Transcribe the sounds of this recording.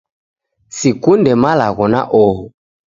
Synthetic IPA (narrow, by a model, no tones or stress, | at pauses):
sikundɛmalaɣɔna̰ʔɔɦɔ